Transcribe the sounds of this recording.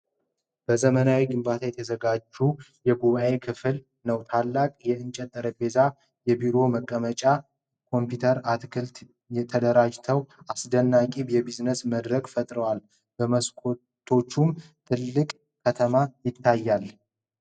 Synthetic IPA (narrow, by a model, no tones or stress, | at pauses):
b̥əzəmənawiɡɨmbat̪ʰajɛt̪ʰəzəɡad͡ʒːujɛɡuβaʔe̞kʰɨfɨl | nəwt̪ʰalːakʼjɛɨnt͡ʃʼɛt̪ʼːəɾəbe̞za | jɛbiɾo̞məkʼːəmət͡ʃʼa | kʰo̞mpjut̪ʰəɾat̪kʰɨlt̪ | ɛt̪ʰəd̪əɾad͡ʒt̪ʰəwasd̪ənːakʼibjɛbiznəsməd̪ɾəɡfət̪ʼɾəwal | bəməskʰo | t̪ʰo̞t͡ʃːum | t̪ʰɨlːɨkʼ | kʰːət̪ʰəmajɪt̪ʰːajːal